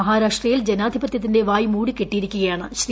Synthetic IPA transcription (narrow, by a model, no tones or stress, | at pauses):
ɐɦaːɾaːʂʈrɐjild͡ʑenaːd̪ʱibɐt̪jɐt̪ːinde̞ʋaːjmuːɽikeʈːijiɾikʲːuɣɐjaːɳɨɕri